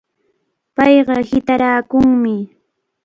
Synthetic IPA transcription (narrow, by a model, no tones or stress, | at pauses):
pɑjɢɑhɪt̪aɾaːkʊŋmɪ